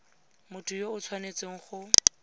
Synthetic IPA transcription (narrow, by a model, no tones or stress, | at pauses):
mʊtʰʼʊjoʊt͡sʰwanet͡seŋ̩χʊ